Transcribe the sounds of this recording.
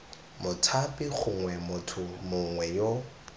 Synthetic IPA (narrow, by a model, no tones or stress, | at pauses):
mʊtʰapʼɪk͡xʰʊŋwɛmʊtʰʊmʊŋwɛjo